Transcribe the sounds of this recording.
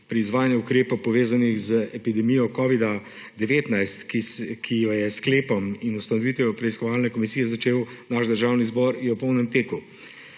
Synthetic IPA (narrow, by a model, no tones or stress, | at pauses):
pɾiːzʋaːjanjɛukɾeːpowpɔʋeːzanixzəɛpid̪ɛmijɔkɔːʋid̪a | d̪ɛʋeːt̪najst̪kikʰijɔjɛskleːpɔminust̪anɔʋit̪ʋɛjɔpɾɛiskɔʋaːlnɛkɔmisijɛzat͡ʃeːwnaʒd̪əɾʒaːwnizbɔɾiɔpɔwnɛmt̪eːku